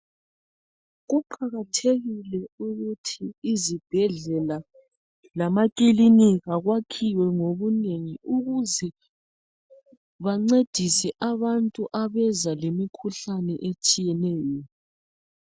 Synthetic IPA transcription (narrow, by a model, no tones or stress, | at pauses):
ɣuǃʰaɣatʰeɣilɛuɣutʰiːzib̥ʱɛɮɛla | lamakʼiliniɣaɣwakʰiwɛŋoβuneŋiuɣuzɛ | βaŋ͡ǀed̥ʱisɛʔaβantʼuʔaβɛzalemikʰuɬanɛʔet͡ʃʼijɛnɛːjɔ